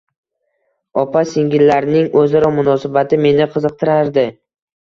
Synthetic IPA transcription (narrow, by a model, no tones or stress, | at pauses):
ɒpʰaseŋɡʲɪlːaɾnɪŋɵzaɾɒmʊnɒsabat̪ʰɪme̞nɪqʰɨzɨq̚t̪ʰɪɾaɾd̪ɪ